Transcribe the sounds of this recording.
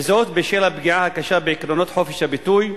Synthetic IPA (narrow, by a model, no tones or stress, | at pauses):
zoːt̪beʃeːlabɡiʕahakaʃabɪʕɪkɾonoːt̪ħofiʃabɪt̪uːj